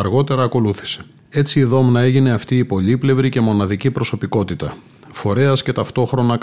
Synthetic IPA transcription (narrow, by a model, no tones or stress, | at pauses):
ɐɾɣo̞t̪e̞ɾɐːko̞luθi̥se̞̥ | e̞t͡siːðo̞mnɐe̞ʝine̞ɐft̪iːpo̞ʎiple̞vɾice̞mo̞nɐðicipɾo̞so̞piko̞t̪it̪ɐ | fo̞ɾe̞ɐsce̞t̪ɐft̪o̞xɾo̞nɐ